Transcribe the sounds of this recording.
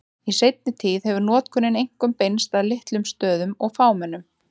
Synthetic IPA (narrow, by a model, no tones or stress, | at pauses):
isejt̪̚nɪt̪ʰiːðhɛvʏɾnɔːt̪kʰʏnːɪnejŋ̥kʏmpejnst̪aðlɪht̪lʏmst̪œːðʏmɔɣfaːwmɛnːʏm